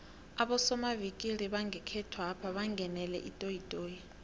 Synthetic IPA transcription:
aɓɔsɔmavikʼiɾiɓaŋɡʱɛkʰɛtʰwapʰaɓaŋɡʱɛnɛlɛ̰ʔitʼoitʼoːji

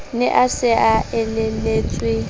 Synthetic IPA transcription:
nɪʔasɪʔaɛlɛleːt͡sʼwi

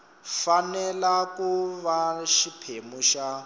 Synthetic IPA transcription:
fanɛlakuβaʃipʰemuʃa

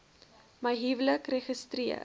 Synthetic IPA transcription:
mɐjɦivləkreχəstriə̰

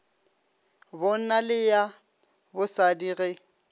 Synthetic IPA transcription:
bɔn̩nalɪja | bʊsadiːɣɛ

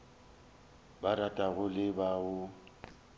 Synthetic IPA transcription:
baɾatʼaɣʊlɪbaʊ

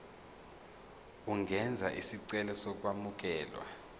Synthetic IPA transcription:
uŋɛnd͡zʱaʔisiǀɛlɛsɔk̬ʼwamuk̬ɛːlwa̰

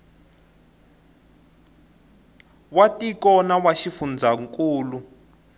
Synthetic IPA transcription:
watikɔnawaʃifund͡zʱaŋkʼuːlu

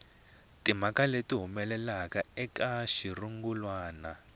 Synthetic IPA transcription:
tim̤akaletiɦumɛlɛlakaɛkaʃiruŋɡulwaːna

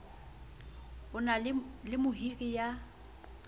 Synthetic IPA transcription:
ʊnalɪmʊɦirija

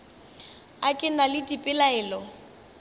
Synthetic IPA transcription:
akʼɪnalɪtʼipʼɪlaɛːlɔ

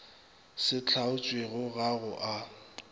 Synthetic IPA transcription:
sɪt͡ɬʰaʊt͡ʃʼweɣʊɣaɣʊʔa

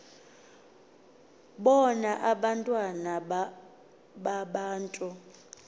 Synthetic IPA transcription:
ɓɔnaʔaɓantʼwana | ɓaɓaːntʼu

